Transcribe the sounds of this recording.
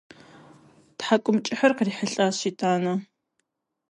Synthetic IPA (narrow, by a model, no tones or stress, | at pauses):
tħakʷʼʊmt͡ʃʼɪħɐrqriːħəɬʼaːɕiːtʰʼaːnɐ